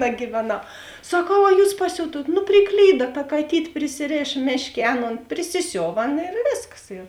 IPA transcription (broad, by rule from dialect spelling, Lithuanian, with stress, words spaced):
nɐɡʲiːʋʲɛˌnɐʊ sɐˈkɐʊ ɐ ˈjuːs pɐˈsʲʊtuɔt nʊ pʲrʲɪˈklʲiːdɐ tɐ kɐˈtʲiːtʲ pʲrʲɪsʲɪˈrʲeːʃ ˈmʲeːʃʲˌkʲeː ˈɑːˌnoːn pʲrʲɪsʲɪˈsʲoːʋɐ ˈɑːˌnɐ ɪr ˈʋʲeːsˌkɐs ɪr